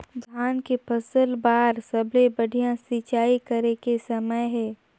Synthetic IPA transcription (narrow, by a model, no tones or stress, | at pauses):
d̪ʱjaːnkepʰɐsəlbaːɾsɐblebɐɽʱijãsit͡ʃaːikɐɾekesɐməjɦɛː